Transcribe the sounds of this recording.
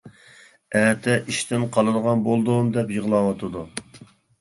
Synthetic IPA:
æːt̪ʰɛʔiʃt̪ʰɪnqʰɑlˠɨd̪əʁɑnbolˠd̪umd̪ɛpjəʁlˠɑwɑt̪ʰɨd̪u

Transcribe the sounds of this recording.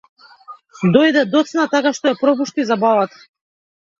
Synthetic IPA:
d̪ɔjd̪ɛd̪ɔt̪snat̪akaʃt̪ɔjapɾɔpuʃt̪izabavat̪ḁ

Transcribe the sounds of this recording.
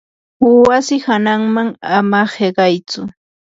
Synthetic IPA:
wasɪhanaŋmaŋamaheɢɑjt͡sʊ

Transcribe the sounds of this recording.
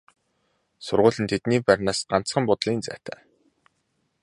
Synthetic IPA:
sʊrʁʊːɮɘ̆nt̪ʰet̪niːpæɾʲnaːsɢ̥an̥t͡sχə̆mpʊt̪ɮiːnt͡sæ̰ːt̪ʰæ̰ː

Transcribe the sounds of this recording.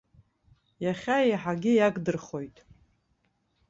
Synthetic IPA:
jaχʲaejħaɡʲɪjaɡʼdɨrχo̞jtʼ

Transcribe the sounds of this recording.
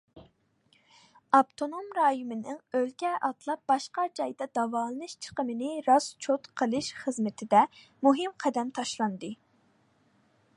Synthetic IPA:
ɑpt̪ʰonomɾɑːjumɪnɪŋølkʲɛʔɑt̪lˠɑp̚b̥ɑʃqɑd͡ʒɑjd̪ɑd̪ɑvɑːlˠɨnɨʃt͡ʃʰə̥qəmɨnɨɾɑst͡ʃʰot̪qʰəlˠɨʃχəzmɪt̪ʰɪd̪ɛmuɦɨmqʰɛd̪ɛmt̪ʰɑʃlˠɑnd̪ɨ

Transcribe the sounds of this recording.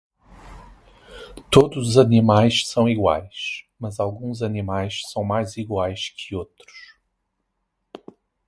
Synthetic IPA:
t̪od̪uzzɐnimajʃsɐ̃w̃iɣwa̰jʃ | mɐzalˠɡũzɐnimajʃsɐ̃w̃majziɣwajʃkʰɪot̪ɾu̥ʃ

